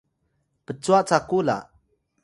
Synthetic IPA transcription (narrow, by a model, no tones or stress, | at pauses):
pət͡suaʔt͡sakula̰